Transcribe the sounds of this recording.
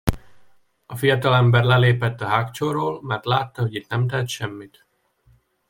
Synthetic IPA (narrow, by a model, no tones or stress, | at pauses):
ɒfijɒt̪ɒlɛmbɛrlɛleːpɛt̪ːɒɦakt͡ʃoroːlmɛrt̪laːt̪ːɒɦo̞ɟit̪nɛmt̪ɛt̪ʃɛmːit̪